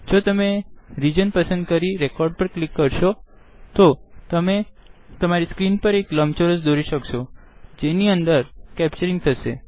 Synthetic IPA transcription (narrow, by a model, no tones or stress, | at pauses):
d͡ʒot̪əmeɾid͡ʒənpəsənd̪̚kəɾiɾekɔɾɖpəɾklikːəɾʃo | t̪ot̪əme | t̪əmaɾiskɾinpəɾekləmt͡ʃoɾəsd̪oɾiʃəkʃo | d͡ʒeniənd̪əɾkɛp̚t͡ʃəɾiŋɡ̚t̪ʰəʃe